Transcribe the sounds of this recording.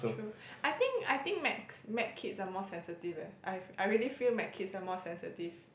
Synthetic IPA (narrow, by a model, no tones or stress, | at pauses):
soo | ʔajt̪ĩŋka̰jt̪ĩŋk̚mɛtsmɛt̚kʰitsamɔsɛ̃nsətivɛʔajaɪjɹiəlifilmɛt̚kʰitsamɔsɛ̃nsitiv̥